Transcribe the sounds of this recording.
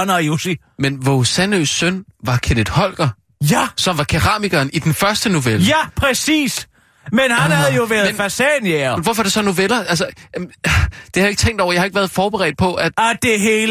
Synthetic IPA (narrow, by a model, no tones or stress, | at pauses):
nɐjosi | menʋosænøsːønʋɑ̈kʰened̥hɒ̽l̰ɡ̥ɐ | jæsɒ̽mʋɑ̈kʰeʁɑ̰̈ːmiɡ̥ɐːnid̥enfɶɐsd̥əno̝ʋelæpʰʁɛsḭːs | menhænhæð̩ˠjoʋæɐðenfæsɛnjemenʋɒfɒɐd̥esɒ̽no̝ʋelɐʔælsə | d̥ehæðjeɡ̥̚t͡sʰeŋ̰d̥ɒ̰ʊɐjɑ̈hɑ̈e̝ɡ̥ʋæɐðˠfɒːb̥eʁɛ̰ːd̥̚pʰɒ̽ʔæ̥æd̥e̝ɦeːl